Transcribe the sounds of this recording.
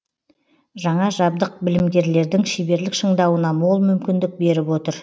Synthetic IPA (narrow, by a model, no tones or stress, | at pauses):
ʒɑɴɑʒɑb̚d̪əq̚bɪlɪmɡʲe̞ɾle̞ɾd̪ɪŋʃejbe̞ɾlɪkʃəɴd̪ɑwənɑmolˠmʏmkʲɪnd̪ɪk̚be̞ɾɪpwo̞t̪əɾ